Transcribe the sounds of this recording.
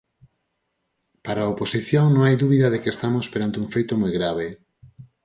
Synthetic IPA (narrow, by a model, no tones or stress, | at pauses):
paɾaoposiθjoŋnõŋajðuβiðɐðekest̪amospeɾant̪euŋfejt̪omojɣɾaβ̞e